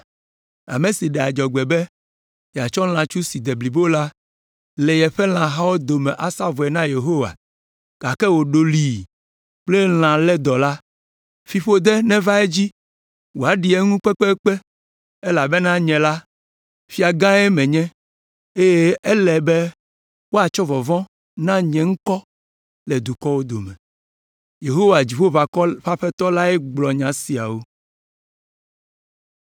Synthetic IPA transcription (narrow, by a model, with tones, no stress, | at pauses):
a̰˨me˨si˨ɖɛ˨a˨d͡ʒɔ˨ɡ͡bɛ˨bɛ˦ | ja˨t͡ʃɔ˦l̃ã˨t͡ʃu˦si˨d̪e˨bli˨bo˦la˦ | le˨jɛ˨ɸɛ˦l̃ã˨ɦa˦wo˦d̪o˨mɛ̃˨ʔa˨sa˦vɔ˨ɛ˨nã˦je˨ɦo˦wa̰˨ | ɡ̥a˨kɛ˦wo˨ɖo˨li˨ | k͡ple˦l̃ã˨lɛ˦d̪ɔ˨la˦ | fi˨ɸo˦d̪ɛ˦nɛ̃˦va˦e˦d͡ʑi˦ | wo˨a˨ɖi˨ɛ˦ŋũ˦k͡pɛ˦k͡pɛ˦k͡pɛ˦ | e˦la˨be˦nã˦ɲɛ̃˨la˦ | fi˦a˨ɡã˦ɛ˦mɛ̃˨ɲɛ̃˦ | e˦je˦e˦lɛ˨bɛ˦ | wo˦a˨t͡ʃɔ˦vɔ˨vɔ̃˦ | nã˦ɲɛ̃˨ŋ̩˦kɔ˦ | le˨d̪u˨kɔ˦wo˦d̪o˨mɛ̃˨ | je˨ɦo˦wa˨d͡ʑi˨ɸo˦va˨kɔ˦ɸa˦ɸɛ˦t̪ɔ˦la˦ɛ˦ɡ͡blɔ˨ɲã˨si˨a̰˨wo˦